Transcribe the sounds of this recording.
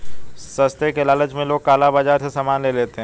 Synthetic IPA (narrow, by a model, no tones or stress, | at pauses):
sɐst̪ekelaːləd͡ʒmẽloːɡ̚kaːlabaːd͡ʒaːɾsesaːmaːnleleːt̪eɦɛ̃